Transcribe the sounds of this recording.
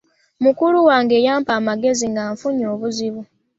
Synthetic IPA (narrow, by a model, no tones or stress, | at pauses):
mukuluwaːŋɡe̞ːjaːmpaːmaɡe̞ziŋɡaːɱfuɲoːβuziβu